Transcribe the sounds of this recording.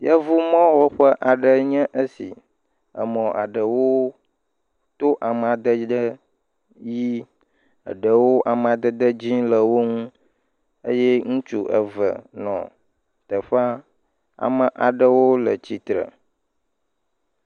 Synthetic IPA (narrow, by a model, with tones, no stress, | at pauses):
jə˦vu˦mɔ̃˦wo˦ɸə˦ʔa˨ɖə˨ɲɛ̃˦ʔə˦sḭ˨ | ə̰˨mɔ̃˨a̰˨ɖə˨wo˦ | t̪o˦ʔa˨m˨a˨d̪ə˦d̪ə˦ | ji˦ | ə̰˨ɖə˨wo˦ʔa˨m˨a˨d̪ə˦d̪ə˦d͡ʑĩ˦lə˨wo˦ŋũ˦ | ə˦jɛ˦ŋũ˦t͡ʃu˦ʔə̰˨və̰˨nɔ̰̃˨ | t̪ə˨ɸa˦ | a̰˨mə˨ʔa˨ɖə˦wo˦lə˨t͡ɕi˨t̪ɾə̰˨